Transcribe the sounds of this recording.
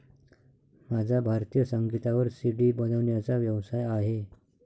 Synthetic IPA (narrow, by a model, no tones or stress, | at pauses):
mad͡zʱabʱaɾt̪ijəsəŋɡit̪aʋəɾsiɽiːbənəʋɳjat͡saʋjəʋsajaɦe